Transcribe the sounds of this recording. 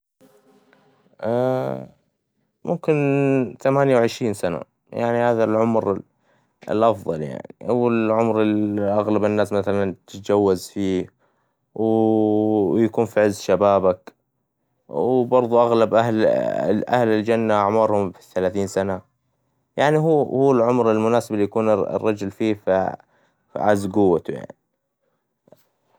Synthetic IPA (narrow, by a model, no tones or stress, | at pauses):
ʔa | mʔʊ̰mkɪnt̪amaːnjawʕɪʃɾiːnsana̰ | ja̰ʕnihaːðalʕʊmɾ | ɪ̰lʔɑfðˤɑlja̰ʕniʔawːalʕʊmɾɪʔaɣlabɪnːaːsmaθalant̪d͡ʒawːazfiː | w | jakuːnfiʕɪzːʃabaːbak | wbɑɾˤðˤuʔaɣlabʔahlʔa̰hlɪld͡ʒanːaʔaʕmɑːɾˤhʊmfiθalaːθiːnsana | jaʕniɦuːhuːɪlʕʊmɾɪlmʊnaːsɪbalːijakuːn̰rˤːɑd͡ʒʊlfiːf | ʕazɡʊwːat̪uja̰ʕni